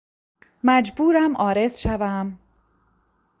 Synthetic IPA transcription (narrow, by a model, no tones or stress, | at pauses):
mæd͡ʒbuːɾæmʔɒːɾe̞zʃævæm